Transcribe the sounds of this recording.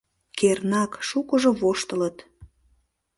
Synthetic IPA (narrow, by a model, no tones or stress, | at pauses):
kernɑkʃukəʒoβoʃt̪ələt̪